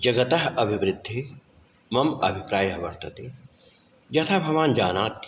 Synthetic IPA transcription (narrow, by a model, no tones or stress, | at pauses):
d͡ʒɐɡɐt̪ɐɦɐbʱiʋɾɪd̪ʱːi | mɐmɐ̰bʱipɾaːjɐɦʋɐɾt̪ɐt̪i | d͡ʒɐt̪ʰaːbʱɐʋaːnd͡ʒaːnaːt̪